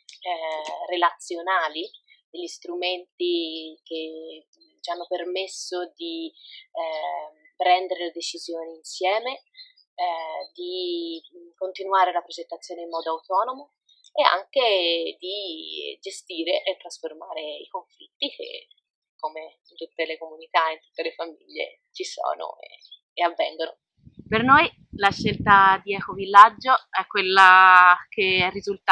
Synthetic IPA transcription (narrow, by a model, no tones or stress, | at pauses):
relat̪sːjonaːlid̪eʎːist̪ɾument̪ik̟e | t͡ʃianːopermesːod̪i | pɾɛnd̪eɾeled̪et͡ʃizjoːniinsjɛːme | d̪i | kont̪inuaːɾelapɾod͡ʒet̪ːat̪sːjoːneimːɔːd̪oawt̪ɔːnomo | ea̰ŋk̟ed̪id͡ʒest̪iːɾeʔet̪ːɾasformaːɾeikoɱfit̪ːik̟ḛ | kːomeint̪ut̪ːelekomunit̪aeint̪u̥t̪ːelefamḭʎːḛ | t͡ʃiso̰ːno̰ḛː | avːɛŋɡono | pernoj | laʃːelt̪ad̪iɛkovilːad͡ʒːoɛkːwelːak̟eɛrːizult̪a